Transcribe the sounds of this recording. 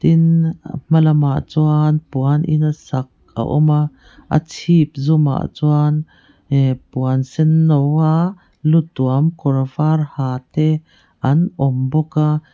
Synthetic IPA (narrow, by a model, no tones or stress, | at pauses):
t̪inm̥ɐlɐmaʔt͡suanpuanʔɪ̰nasɐk̚a̰ʔɔ̰ma | ʔɐ̰t͡sʰip̚zuma̰ʔt͡suan | puansɛnːɔwa | lut̪uamkɔrvarhaːt̪ɛ | ʔɐnʔɔmbɔka